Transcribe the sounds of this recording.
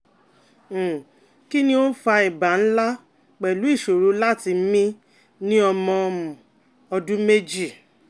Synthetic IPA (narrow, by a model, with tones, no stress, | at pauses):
ki˦nĩ˦o˦fa˧i˨ba˨n̩˦la˦ | k͡pɛ˨lu˨˦i˦˨ʃo˨ɾu˨˦la˦˨ti˧m̩˦mĩ˦ | nĩ˦ɔ˧mɔ̃˧mũ˨ | ɔ˧dũ˦me˦d͡ʒi˦˨